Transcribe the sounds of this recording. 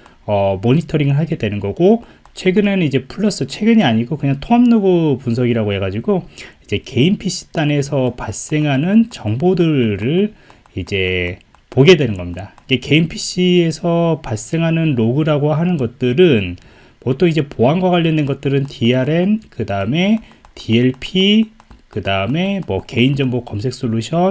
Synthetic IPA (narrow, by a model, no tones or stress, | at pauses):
ʌmoɲitʰʌɾiŋɯɭɦaɭɡedwe̞nɯnɡʌɡo | t͡ɕʰwe̞ɡɯnenid͡ʑe̞pʰuɭːʌs͈ɯt͡ɕʰwe̞ɡɯɲiaɲiɡokɯɲaŋtʰoamnobupuns̬ʰʌɡiɾaɡoɦe̞ɡad͡ʑiɡoid͡ʑe̞ke̞impʰiɕ͈i̥t͈ane̞sʰʌpaɭs͈e̞ŋɦanɯnt͡ɕʌŋbodɯɭɾɯɭ | id͡ʑe̞ | poɡe̞dwe̞nɯnɡʌmɲidaiɡe̞ke̞inpʰiɕ͈ʰie̞sʰʌpaɭs͈e̞ŋɦanɯnɾoɡɯɾaɡoɦanɯnɡʌt̚t͈ɯɾɯn | mʌt͈oid͡ʑe̞poɦanɡwaɣwaʎːʌndwe̞nɡʌt̚t͈ɯɾɯntʰiaɾe̞nkɯdaɯme̞ | tʰie̞ɭpʰikɯdaɯme̞mwʌke̞ind͡ʑʌŋbokʌmsʰe̞k̚s͈uɭːuɕʰʌ